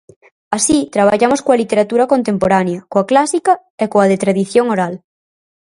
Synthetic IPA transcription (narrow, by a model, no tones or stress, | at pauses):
asit̪ɾaβ̞aʎamoskoalit̪eɾat̪uɾakont̪empoɾanjakoaklasika | ekoaðet̪ɾaðiθjoŋoɾal